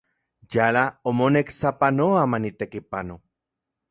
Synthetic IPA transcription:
jalaomoneksapanoamanit̪ekipano

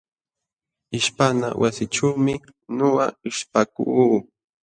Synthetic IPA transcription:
ɪʃpana̰wʔasɪʈ͡ʂawmɪ | noɢaɪʃpaku

